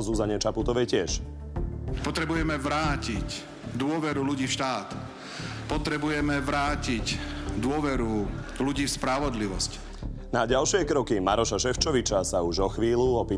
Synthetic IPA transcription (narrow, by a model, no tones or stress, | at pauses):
zuzaɲɛt͡ʃaput̪ɔʋɛjcɪɛʃ | pɔt̪ɾɛbujɛmɛʋɾaːcic | d̪ʊɔʋɛɾuluɟiːfʃt̪aːt̪ | pɔt̪ɾɛbujɛmɛʋɾaːcicd̪ʊɔʋɛɾuluɟiːfspɾaʋɔd̪liʋɔsc | naɟalʃɪɛkɾɔkimaɾɔʃaʃɛft͡ʃɔʋit͡ʃasauʒɔxʋiːluɔpiː